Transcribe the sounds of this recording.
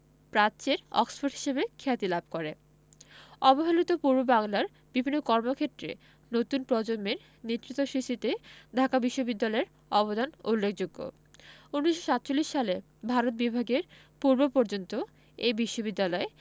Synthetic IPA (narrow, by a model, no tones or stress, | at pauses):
pɾat͡ɕeɾɔ̰ksfoɾʈɦi̥ʃebekʰɛt̪ilab̚ʱkoɾe | ɔboɦalit̪opuɾbobaŋlaɾ | b̥ibʱinːokɔɾmokʰet̪ɾḛ | not̪unpɾɔd͡ʑommeɾ | nit̪ːɾit̪oʃiʃit̪ed̪ʱakabiʃːobid̪ːalɔeɾ | ɔbod̪ʱanulːekʰd͡ʑoɡːo̰ | unːiʃo̥ʃat̪ːt͡ɕolːiʃʃale | bʱaɾot̪̚bibʱaɡeɾ | puɾbopoɾd͡ʑont̪o | ebiʃːobid̪ːalɔe